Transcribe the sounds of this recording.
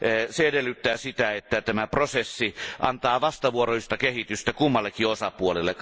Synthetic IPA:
seedelːˑyt̪ːæːsit̪æet̪ːæt̪æmæprosesːiʔɑnt̪ɑːʋɑst̪ɑʋuoroist̪ɑkehit̪yst̪ækumːɑlːekːiosɑpuolelːe

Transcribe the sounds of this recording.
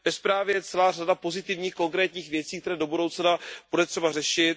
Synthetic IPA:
vɛspɾaːvjɛjɛt͡sɛlaːr̝adapo̞zɪt̪ɪvɲiːxko̞ŋkɾɛːt̪ɲiːxvjɛt͡siːkt̪ɛɾɛːdo̞budowt͡snabudɛt̪r̝̥ɛbarɛʃɪt̪̚

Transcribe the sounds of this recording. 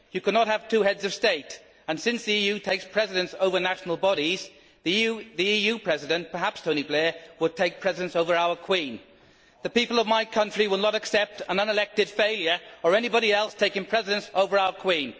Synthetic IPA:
jɨkənət̚həv̥tʰʉhɛdzʌv̥steɪɾ | ə̃nsɪ̃nsðiijʉtʰeɪkspʰɹ̥ɛzɪɾɨ̃nsoʊvə˞naʃn̩l̩ˠbɑɾiz̥ | ððiijʉpʰɹ̥ɛzɪɾɨ̃npʰə˞ɦapstʰoʊ̃niblɛɹwəd̚tʰeɪk̚pʰɹ̥ɛzɪɨ̃nsoʊvə˞aʊəkʰw̥ĩn | ðɨpipəl̩ˠʌvmaɪkʰʌ̃nt͡ʃɹ̥iwəlˠnəɾɨksɛp̚tə̃nʌ̃nəlɛk̚tɨd̥feɪlˠjə˞ə˞ɛnibɑɾiɛlˠstʰeɪkɪ̃ŋpʰɹ̥ɛzɪɾɨ̃nsoʊvə˞aʊəkʰw̥ĩn

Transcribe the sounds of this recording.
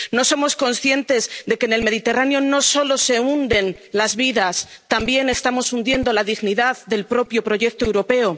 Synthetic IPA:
no̞so̞mo̞sko̞nsθje̞nt̪e̞zðe̞ke̞ne̞lme̞ðit̪e̞ranjo̞no̞so̞lo̞se̞und̪e̞nlazβiðast̪ambje̞ne̞st̪amo̞sund̪je̞nd̪olaðiɣniðaððe̞lpɾo̞pjo̞pɾo̞ʝe̞k̚t̪oe̞wɾo̞pe̞o̞

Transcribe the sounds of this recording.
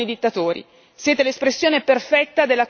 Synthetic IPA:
id̪it̪ːat̪oːɾḭ | sjeːt̪elespɾesːjoːneperfɛt̪ːad̪elːa

